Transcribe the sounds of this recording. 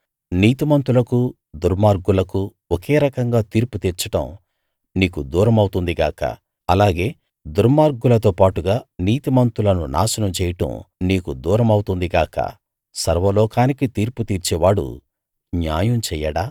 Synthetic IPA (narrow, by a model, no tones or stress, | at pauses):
niːt̪imɐnt̪ulɐku | d̪uɾmaːɾɡulɐku | ɔkeːɾɐkɐŋɡaːt̪iːɾput̪iːɾt͡ʃɐʈɐ̰m | niːkud̪uːɾɐmɐwt̪und̪iɡaːkɐ̰ | ɐlaːɡe̞ː | d̪uɾmaːɾɡulɐt̪o̞ːpaːʈuɡaːniːt̪imɐnt̪ulɐnuna̰ːsɐnɐmt͡ʃɛːjɐʈɐ̰mniːkud̪uːɾɐmɐwt̪und̪iɡaːkɐ̰ | sɐɾʋɐloːkaːnikit̪iːɾput̪iːɾt͡ʃɛːʋaːɽṵ | njaːjɐmt͡ʃɛːjaɽaː